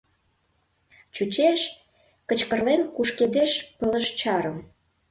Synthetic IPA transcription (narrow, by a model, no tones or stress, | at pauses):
t͡ɕut͡ɕeʃ | kə̆t͡ɕkə̆rlenkuʃked̪eʃpə̆lə̆ʃt͡ɕɑɾə̆m